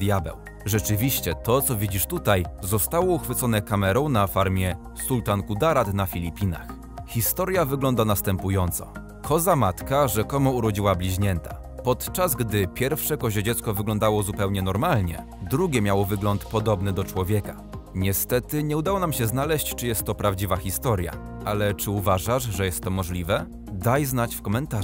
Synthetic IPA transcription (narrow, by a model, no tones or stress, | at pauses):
d̪jabɛ̰w | ʐɛt͡ʂɘvʲiɕt͡ɕɛt̪ɔt̪sɔvʲid͡ʑiʂt̪ut̪ajzɔst̪awɔuxfɘt̪sɔnɛkamɛɾɔ̃w̃nafaɾmʲjɛ | sult̪ankud̪aɾat̪nafʲilʲipʲina̰x | xʲist̪ɔɾjavɘɡlɔnd̪anast̪ɛmpujɔnt̪sɔ̰ | kʰɔzamat̪kaʐɛkɔmɔuɾɔd͡ʑiwablʲiʑɲɛnt̪a | pɔt̪t͡ʂazɡd̪ɘpʲjɛɾfʂɛkɔʑɛd͡ʑɛt̪skɔvɘɡlɔnd̪awɔzupɛwɲɛnɔɾmalɲɛ̰ | d̪ɾuɡʲɛmʲjawɔvɘɡlɔnt̪pɔd̪ɔbnɘd̪ɔt͡ʂwɔvʲjɛka | ɲɛst̪ɛt̪ɘɲɛud̪awɔnamɕɛznalɛɕt͡ɕt͡ʂɘjɛst̪ːɔpɾavd͡ʑivaxʲist̪ɔɾʲja̰ | ʔalɛt͡ʂɘuvaʐaʐʐɛjɛst̪ːɔmɔʐlʲivɛ | d̪ajznat͡ɕfkɔmɛnt̪a